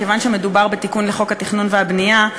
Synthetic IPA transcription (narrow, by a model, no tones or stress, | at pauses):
kevanʃeme̞dubaʁbe̞t̪ikunleχo̞khat̪iχnunveabnija